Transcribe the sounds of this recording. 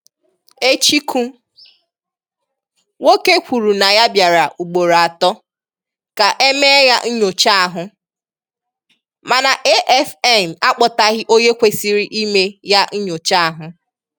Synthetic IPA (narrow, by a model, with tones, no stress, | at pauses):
e˦t͡ʃi˦kʰu˦ | wo˦ke˦kʷu˨ɾu˨na˨ja˦bja˨ɾa˨ʔu˨ɡ͡bo˨ɾa˨tɔ˦ | ka˨ʔe˦me˦ja˦n̩˦ɲo˨t͡ʃa˦a˨ɦʊ˨ | ma˨na˨ʔe˦ʔɛ˦fɛ˦˨m˨a˦k͡pɔ˨ta˨ɣɪ˦ʔo˦ɲe˦kʷe˦si˦ɾi˦ʔi˦me˦ja˦n̩˦ɲo˨t͡ʃa˦a˨ɦʊ˨